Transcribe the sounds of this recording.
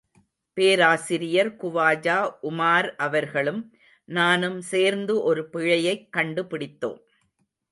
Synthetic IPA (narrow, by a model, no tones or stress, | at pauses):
peːɾaːsɪɾɪjɐɾkʊʋaːd͡ʒaːʔʊmaːɾʔɐʋɐɾɣɐɭɯm | naːnɯmseːɾnd̪ɯʔɔɾɯpɪɻɐjɐɪkːɐɳɖɯpɪɽɪt̪ːo̰ːm